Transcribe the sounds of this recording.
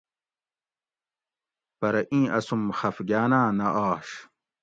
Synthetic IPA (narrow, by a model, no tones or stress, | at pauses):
pɐɾɐʔĩːɐsumxɐfɡjaːnaːnɐʔaːɕ